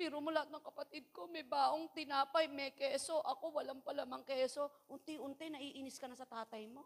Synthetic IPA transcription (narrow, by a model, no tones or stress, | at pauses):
pɛːɾomʊlɐhat̪̚nɐŋkɐpɐt̪ɪd̪̚ko̞mɐjbaːʔoŋt̪ɪnaːpɐjmɛkɛːso̞ʔɐko̞wɐlaŋpɐlaːmɐŋkɛːso̞ʔʊnt̪ɪʔʊnt̪ɪnɐʔiːʔinɪskɐnɐsɐt̪aːt̪ɐjmo̞